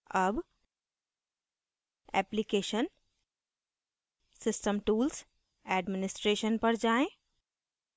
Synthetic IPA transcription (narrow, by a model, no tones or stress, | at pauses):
ɐb | ɛ̰ːplikeːʃən | sɪsʈəmʈuːls | ɛːɖmɪnɪsʈɾeːʃənpəɾd͡ʒaːẽ